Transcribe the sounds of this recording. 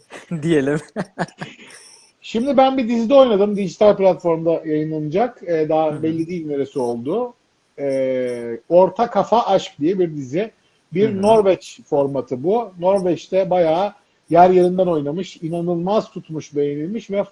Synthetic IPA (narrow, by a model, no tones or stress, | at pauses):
d̪ije̞lʲim | ʃimd̪ibænbid̪izid̪ɛo̞jnad̪ɯmd̪iʒit̪ʰalʲplʲat̪fo̞ɾmd̪ajajɯnlˠanɯd͡ʒakːd̪aːbɛlʲːid̪iːne̞ɾesio̞lˠd̪ʊ | ɛ | o̞ɾt̪ʰakʰafaʔaʃk̚d̪ijɛbiɾd̪izɪ | biɾno̞ɾvɛt͡ʃfo̞ɾmat̪ʰɯbuno̞ɾvɛt͡ʃt̪ʰɛbajaː | jæɾjeɾind̪æno̞jnamɯʃinanɯlˠmazt̪ʰut̪muʃb̪e̞jenilʲmiʃvɛ